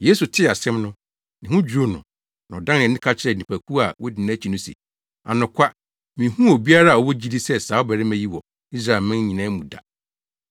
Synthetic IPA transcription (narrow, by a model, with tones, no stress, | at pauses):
jeː˦su˨tʰɪ˦a˨sɛ̃˦mnʊ̃˦ | nɪ̃˨hũ˦d͡ʑɾo˦nʊ̰̃˨ | nã˨ɔ˨dã˦nɪ̃˨nɪ̃˦kʰa˦t͡ɕʰɪ˦ɾɛ˨nĩ˨pʰæ˨kʰu˦a˨wɔ˦dɪ˨nã˦t͡ɕʰi˨nʊ̃˦sɛ̰˨ | a̰˨nʊ̃˨kʷʰa˦ | mĩ˨hũ˦o˨bi˦a˦ɾa˦a˨ɔ˨wɔ˦d͡ʑi˦di˦sɛ˦saː˨˦ɔ˦bɛ˨ɾɪ˦mɛ̃˦ji˦wɔ˨ | i˦s̬ɾa˦˨ɛ˨mɪ̃˦n˦ɲĩ˨nã˦mũ˨da̰˨